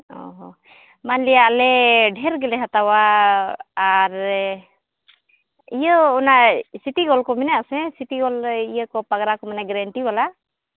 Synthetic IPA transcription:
ɔ̰ɦɔ | manlijaːlɛɖʱɛɾɡɛlɛɦat̪awaː | ɾ | ijəɔnasit̪iɡɔlkɔmɛnaʔsɛsit̪iɡɔlijəkɔpaɡɾakɔmanaɡɾɛɳʈibala

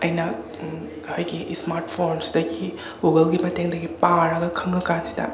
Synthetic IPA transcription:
ɐjnɐ | hajɡiʔsmaɾtpʰoɾnsdɐɡi | ɡuɡɐlɡimɐteŋdɐɡipaɾɐɡɐkʰɐŋɡɐkantʰi̥tʰa̰

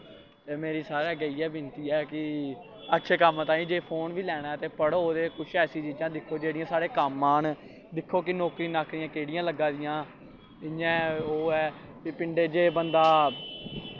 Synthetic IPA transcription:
t̪eːmeːɾiːsaːɾɛːɡəiːɛːbɪnt̪iːɛːkɪ | ətːʃʰeːkəmt̪aːĩːd͡ʒeːpʰoːnʋiːlɛːɽ̃aːɛːt̪eːpəɽoːd̪eːkʊt͡ʃʰɛːsiːt͡ʃiːd͡ʒãːd̪ɪkʰːoːd͡ʒeːɽɪjãːsaːɽeːkəmːãːn | d̪ɪkʰːoːkɪnɔːkɾĩːnaːkʰɾɪjãːkeːɽɪjãːləɡːãːd̪ɪjãː | ɪjãːoːɛː | kɪpɪɳɖeːd͡ʒeːbənd̪aː

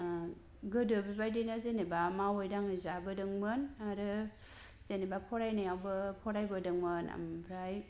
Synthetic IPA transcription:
ɡɯdɯbibajdinɯzenebamawojdaŋɯzabɯdɯŋmɯnaɾɯ | z̥enebapʰɔɾajnajawbɯpʰɔɾajbɯdɯŋmɯna̰mpʰɾaj

